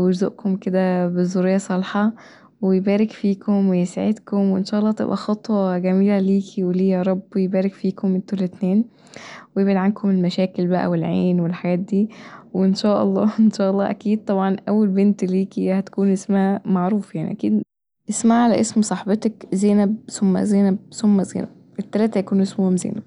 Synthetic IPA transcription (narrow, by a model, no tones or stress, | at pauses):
ed͡ʒzo̰ʔkomked̪æbezoɾejːɑsˤɑlħɑ | wejbæːɾekfiːkʰomwejesʕḛd̪komweʔenʃæːʔɑlˤːɑːt̪ḛbʔæxɑt̪ˤwɑɡæmiːlæliːkʰiweliːjæɾˤɑbːjebæːɾekfiːkomːent̪uːlːet̪neːn | wejebed̪ʕankomelmæʃæːkelbæʔæ̰welʕḛːnwelħaɡæːt̪̚d̪iːweenʃæːʔɑ̰lˤːɑːʔenʃæːʔɑlˤːɑːʔækiːd̪̚t̪ˤɑbʕɑnʔæwːælbent̪liːkihæt̪æ̥kuːnʔesmæmaʕɾuːfjaʕnḭʔækiːd̪ | ʔesmaʕlæʔesmsˤɑħbɑt̪ɑkzeːnæb̚somːæ̰zeːnæb̚somːæzḛːnæ̰b̥ | ʔet̪ːælæːt̪æjækuːnʔesmʊhomzḛːnæb̥̚